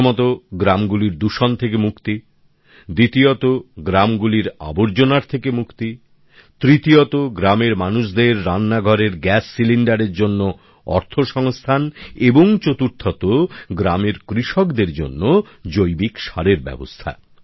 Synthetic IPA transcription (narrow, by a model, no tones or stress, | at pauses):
mɔt̪oɡɾamɡuliɾd̪uʃɔnt̪ʰek̬emukt̪i | d̪it̪iot̪oɡɾamɡuliɾa̰boɾd͡ʑonaɾt̪ʰekemukt̪i | t̪ɾit̪iot̪oɡɾameɾmanuʃd̪eɾːanːaɡʱɔɾeɾɡɛsːilinɖaɾeɾd͡ʑonːo | ɔ̰ɾt̪ʰoʃɔŋst̪ʰaneboŋt͡ɕot̪uɾt̪ʰːɔt̪oɡɾameɾkɾiʃokd̪eɾd͡ʑo̰nːo | d͡ʑojbikʃaɾeɾbɛ̰bo̰st̪ʰa̰